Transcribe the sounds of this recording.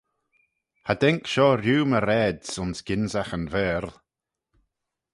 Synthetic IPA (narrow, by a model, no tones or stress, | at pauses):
had̪ɛŋkʃɔɾjuːməɾɛdsʊnsɡ̥ɪnzaxənvɛːɾ